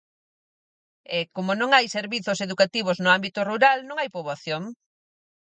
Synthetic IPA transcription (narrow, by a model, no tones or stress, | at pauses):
ɛkomonõŋajseɾβiθʊseðukat̪iβ̞oznʊambit̪oruɾalnõŋajpoβaθjoŋ